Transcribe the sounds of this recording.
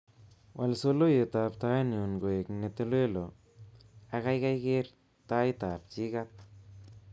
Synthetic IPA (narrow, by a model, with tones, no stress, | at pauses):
wʔa˨lso˦lo˦je˨t̪a˧pt̪a˦jni˨o˨nɡo˨e˨kne˧t̪e˦lwe˦lo˨ | a˧ɣa˦jka˦jɡe˦ɾ | t̪a˦jt̪a˨p̚t͡ʃi˦ɡa˦t̪̚